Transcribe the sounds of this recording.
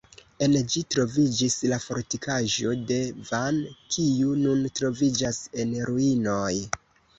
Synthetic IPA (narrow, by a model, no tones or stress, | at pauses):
e̞nd͡ʒitɾo̞vid͡ʒislafo̞ɾtikʰaʒo̞de̞vankʰiununtɾo̞vid͡ʒase̞nɾuino̞j